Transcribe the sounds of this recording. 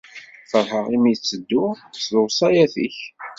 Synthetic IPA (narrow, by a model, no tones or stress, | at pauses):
fəɾˤɦəʁimit͡sːəd̪ːʊsðʊwsˤɑjæθḭç